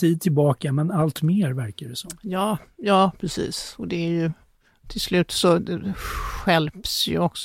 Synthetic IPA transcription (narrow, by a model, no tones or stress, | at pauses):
iːd̪̚t̪ʰɪlbɑːkamɛnalt̪meːɾvæɾkaɖɛsɔmːjɑːjɑːpʰɾɛsḭːsɔd̪ɛæɾjɵ | t̪ʰɪlslʉ̟ːt̪sɔd̪ɛɧɛlpsjɵ̰ɔksɔ